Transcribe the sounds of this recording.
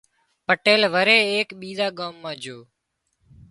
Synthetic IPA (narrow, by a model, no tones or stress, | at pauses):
pəʈeːlʋəɾeːeːkɓiːzaːɡaːmːãːd͡ʒʱoː